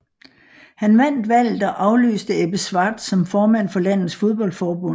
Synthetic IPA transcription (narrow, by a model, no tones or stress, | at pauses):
hænʋæn̰d̥ʋæl̰ð̩ˠɒʔɑ̈ʊly̰ːsd̥əeb̥əsʋɑːd̥sɒ̽mfɒːmæn̰fɒ̽læn̰ð̩ˠsfo̝ð̞ˠb̥ɒ̽l̰d̥fɒːb̥ɔ̽n